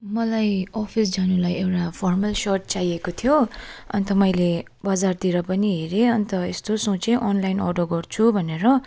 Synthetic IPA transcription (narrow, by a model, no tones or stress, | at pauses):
mʌlajʌpʰisd͡zanulajewʈapʰʌrmʌlsʌrʈ̚t͡sajekot̪ʰijoʌ̰nt̪ʌmʌjle | bʌd͡zart̪iɾʌpʌniɦeɾeʌnt̪ʌḛst̪osõt͡seʔʌnlajnɔ̰rɖoɡʌrt͡sʰubʱʌneɾʌ